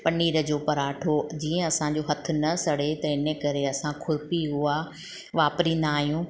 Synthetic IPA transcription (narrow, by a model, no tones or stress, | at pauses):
pɐɳiːɾə̆d͡ʑoːpɐɾaːʈʰod͡ʑiːə̃ɐsãd͡ʑoːɦɐt̪ʰʊ̆nɐsɐɽ̤et̪ɐɪnəkɐɾeɐsãkʰʊɾpiɦʊa | ʋaːpɾĩːnd̪aːɦijũː